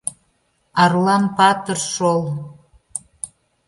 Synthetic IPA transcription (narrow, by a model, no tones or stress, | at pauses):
ɑrlɑnpɑt̪ərʃol